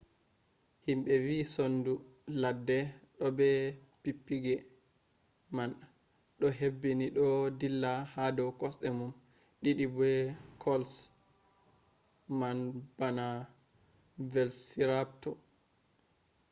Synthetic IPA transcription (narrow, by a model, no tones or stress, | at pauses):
himbɛvisonduladːɛɗɔbɛpipːiɡɛ | man | ɗɔɦebːiniɗɔdilːahadɔwkɔsɗɛmum | ɗiɗibɛkʰɔls | manbana | vɛlsiɾap̚tɔ